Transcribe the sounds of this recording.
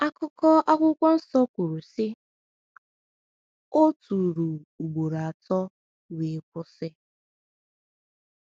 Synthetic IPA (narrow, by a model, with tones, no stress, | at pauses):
a˦kʊ˦kɔ˦ʔa˦kʷʊ˦kʷa˦n̩˦sɔ˦kʷʊ˨ɾu˨sɪ˦ | o˦tu˨ɾu˨u˨ɡ͡bo˨ɾa˨a˨tɔ˦ | wi˨˦kʷʊ˦sɪ˦